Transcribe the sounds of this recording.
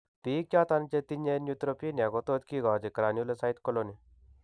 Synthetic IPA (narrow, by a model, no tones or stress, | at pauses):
piːkʲjaːt̪ant͡ʃet̪inenjut̪ɾopinaɡot̪oːd̪kiɡaːd͡ʒikɾaːnjulesait̪koloni